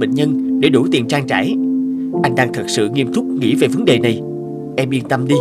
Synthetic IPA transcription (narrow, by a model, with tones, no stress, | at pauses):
ɓḛ˧˨ŋ̟ɲə˧nɗe˧˩ɗu˧˩t̪i˨˩nt͡ɕaː˧ŋt͡ɕaː˧˩j | ʔa˧jŋ̟ɗaː˧ŋt̪ʰə˨˩t̚sɨ̰˧˨ŋi˧əmt̪ʊ˦˥k͡p̚ŋḭ˧˥ve˨˩və˨˦nɗe˨˩na˨˩j | ʔɛ˧mʔi˧ənt̪ə˧mɗi˧